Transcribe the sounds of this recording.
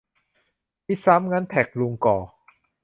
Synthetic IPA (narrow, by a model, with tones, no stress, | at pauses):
mi˦˥˩sa˦˥mŋa˧˥nt̪ʰɛ˨˩k̚lu˧ŋkɔː˨˩